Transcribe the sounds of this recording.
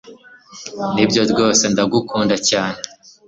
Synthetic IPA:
nibɟoɾɡo̞ːse̞ndaɡukuːndacaːne̞

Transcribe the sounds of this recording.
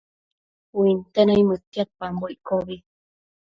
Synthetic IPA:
wuint̪enaimət̪ːiat̪̚pamboikoβi

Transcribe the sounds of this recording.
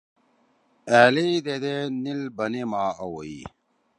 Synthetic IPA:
æːlid̪ed̪enilbɐnemaːɐwoi

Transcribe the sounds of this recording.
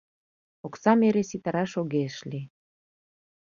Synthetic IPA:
oksɑmeɾesit̪əɾɑʃoɣeʃli

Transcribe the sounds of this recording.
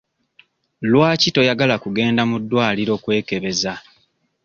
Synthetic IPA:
lwaːcito̞jaɡalakuɡe̞ːndamudːwaːliɾo̞ːkwe̞ːke̞βe̞za

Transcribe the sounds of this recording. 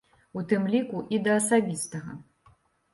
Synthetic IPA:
ut̪ɨmlʲikuʔid̪ɐːsabʲist̪ɐɣɐ

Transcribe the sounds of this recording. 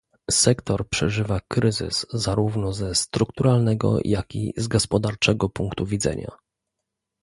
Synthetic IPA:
sɛkt̪ɔɾpʂɛʐɘvakɾɘzɘ̰szaɾuvnɔzɛst̪ɾukt̪uɾalnɛɡɔ̰jʔakʲḭzɡɔspɔd̪aɾt͡ʂɛɡɔpuŋkt̪uvʲid̪zɛ̰ɲa̰

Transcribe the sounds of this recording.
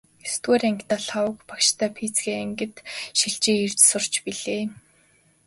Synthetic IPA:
est̪ɣeːɾeŋkt̪aɮawə̆kpakʃt̪ʰæːpʰit͡sɡeːeŋɡɘ̆t̪ʃiɮt͡ɕeːirt͡ɕsʊr̥t͡ɕpiɮeː

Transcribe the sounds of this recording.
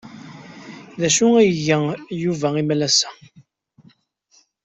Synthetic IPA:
ðæʃuæjəʝəjuvæimælæsæ̥

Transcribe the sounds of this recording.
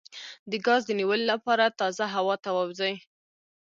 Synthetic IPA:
d̪əɡɑzd̪əniwəllapɑɾat̪ɑzaɦawɑt̪awawzaj

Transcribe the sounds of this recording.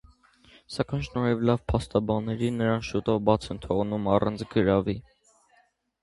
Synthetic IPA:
sɑkɑjnʃnɔɾɛvlɑvpʰɑst̪ɑbɑnːɛɾinːəɾɑnʃut̪ɔvbɑt͡sʰɛnt̪ʰɔʁnumɑrɑ̰nt͡sʰɡəɾɑvi

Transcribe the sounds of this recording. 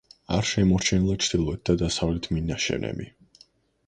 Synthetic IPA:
aɾʃɛmɔɾt͡ʃʰɛnilˠat͡ʃʰd̪ilˠɔɛt̪̚d̪ad̪asavlɛt̪ʰminaʃɛ̰nɛ̰mbḭ

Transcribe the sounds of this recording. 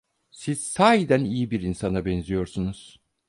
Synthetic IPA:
siz̥saːjid̪ænijibiɾinsanabɛnzijo̞ɾsunuz̥

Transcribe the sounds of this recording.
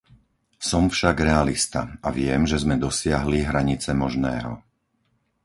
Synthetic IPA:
sɔmfʃaɡɾɛalist̪a̰aʋɪɛmʒɛzmɛd̪ɔsɪaɦliɦɾaɲit͡sɛmɔʒnɛ̰ːɦɔ̰

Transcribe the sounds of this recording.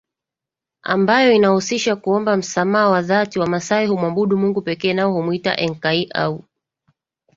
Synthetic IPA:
a̰mbajɔinahusiʃakuɔmbam̩samaːwaðatiwamasaihumwabuɗumuŋɡupɛkɛːnaɔhumuita̰ʔɛŋkaiʔa̰u

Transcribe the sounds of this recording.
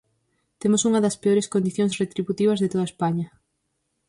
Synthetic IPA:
t̪emosuŋɐðɐspeoɾeskond̪iθjõŋsret̪ɾiβut̪iβ̞ɐzðet̪oðɐespaɲɐ

